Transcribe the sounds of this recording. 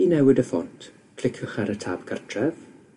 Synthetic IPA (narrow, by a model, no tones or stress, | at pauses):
inɛwɪdəfɔntʰ | kʰl̥ɪkʰəχɛɾətʰaːb̥ɡartʰrɛv